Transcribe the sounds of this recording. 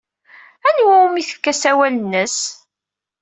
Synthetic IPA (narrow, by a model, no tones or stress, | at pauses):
ænwæmiθə̥kːæsæwælənːəs